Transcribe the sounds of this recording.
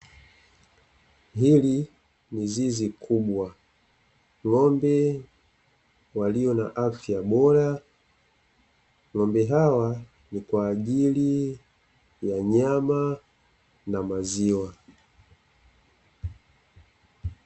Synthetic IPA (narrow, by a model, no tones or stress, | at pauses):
ɦili | nizizikʰuɓwa | ŋɔmbɛ | waliɔnaʔafjaɓɔɾa | ŋɔmbɛɦawa | nikwaːʄili | jaɲama | namaziwa